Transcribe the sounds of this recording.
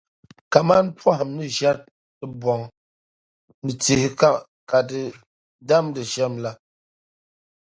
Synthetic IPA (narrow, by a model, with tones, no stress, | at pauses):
ka˨ma˦npwa˦hmnɨ˦ʃa˦t̚ | ɨ˦bwɔ˨ŋ | nɨ˨t͡si˨h | ka˨tə˨ | da˦mdɨ˨ʃɛ˦˨mla˦